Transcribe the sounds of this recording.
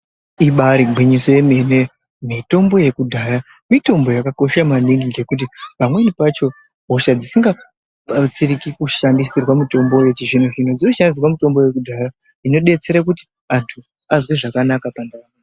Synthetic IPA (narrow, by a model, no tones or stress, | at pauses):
iɓaɾiɡʱwiɲiso̞je̞me̞ne̞ | mito̞mbo̞je̞kudʱaja | mito̞mbo̞jakako̞ʃamaniŋɡiŋɡe̞kut̬ipamwe̞nipat͡ʃo̞ | ɦoʃad͡zisiŋɡa | at͡sirikikuʃandisirwamito̞mbojot͡ʃiʐinoʐinod͡zinoʃandis̬irwamito̞mbo̞je̞k̬udʱaja | ino̞ɗe̞t͡se̞ɾak̬uti̥ | antʰu | azwe̞ʐakanakapandaa